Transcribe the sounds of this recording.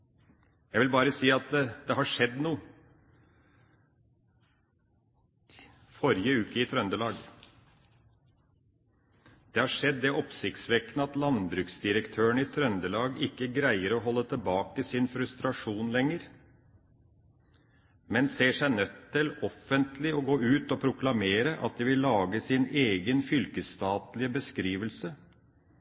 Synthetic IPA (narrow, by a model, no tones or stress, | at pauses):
jæʋɪlbɑːɾəsiːɑt̪̚d̪ɛɦɑʂɛd̪nuː | fɔɾjəʉːkəɪt̪ʰɾœnd̪əlɑːɡ | d̪̥ɛhɑʂɛd̪ːɛʔɔpsɪkt̪sʋɛknəɑt̪lɑnbɾʉːksd̪ɪɾəkt̪ʰøːəɳɪt̪ʰɾœnd̪əlɑːɡɪkːəɡɾæɪəɾɔɦɔlːət̪ʰəlbɑːkəsɪnfɾʉst̪ɾɑʂuːnlɛŋəɾ | mɛnseːʂæɪnœt̪ʰːɪlɔfənt̪lɪɔɡoːʉːt̪ɔpʰɾʊklɑmeːɾəʔɑ̰t̪̚d̪ɛʋɪlːɑːɡəsɪneːɡənfʏlkəst̪ɑːt̪lɪəbəskɾiːʋəlsə